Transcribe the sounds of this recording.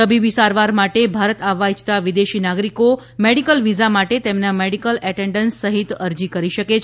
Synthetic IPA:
əbibisaɾʋaɾmaʈebʱaɾət̪aʋajt͡ʃt̪aʋid̪eʃinaɡɾiko | meɽikəlʋizamaʈet̪emnameɽikəlɛʈeɳɖənsːəɦit̪əɾd͡ʒikəɾiʃəket͡ʃʰ

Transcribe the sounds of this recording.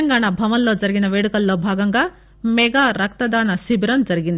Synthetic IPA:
ɐŋɡaːɳɐbʱɐʋɐnloːd͡ʒɐɾiɡinɐʋeːɽukɐlːoːbʱaːɡɐŋɡɐ | mɛɡaːɾɐk̚t̪ɐd̪aːnɐsibɾɐnd͡ʒɐɾiɡind̪

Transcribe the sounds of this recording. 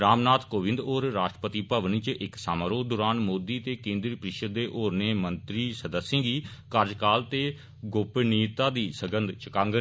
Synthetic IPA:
ɾaːmnaːt̪koːʋɪ̃nd̪oːɾːaːʃʈəpət̪iːpəʋnit͡ʃɪksaːmaːɾoːd̪ʊːɾaːnmoːd̪iːt̪eːkẽːnd̪ɾiːpɾɪʃəd̪eːʔoːɾneːmənt̪ɾiːsəd̪əsːẽːɡiːkəɾd͡ʒkaːlt̪eː | ɡoːpniːt̪aːd̪iːsəɡənd̪t͡ʃəkaːŋɡə

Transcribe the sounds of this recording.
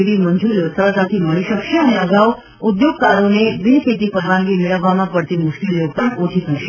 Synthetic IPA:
ɽiməɲd͡ʒuɾijosəɾək̪at̪ʰiməɭiʃəkʃeəneəɡaʋ | ʊd̪joɡ̚kaɾonebɪnkʰet̪ipəɾʋãŋɡimɪɭəʋːamãpəɽt̪imʊʃkelijopəɾot͡ʃʰit̪ʰəʃe

